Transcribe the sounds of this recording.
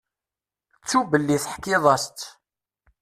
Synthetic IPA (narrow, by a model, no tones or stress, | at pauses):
t͡sːubəlːiθəħkɪðˤɑst̪